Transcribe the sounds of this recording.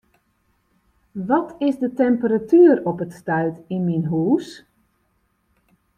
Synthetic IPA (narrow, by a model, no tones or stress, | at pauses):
ʋɔtʰɪsdətɛmpəɾatyːəɾɔpətstœɥtinminɦuːs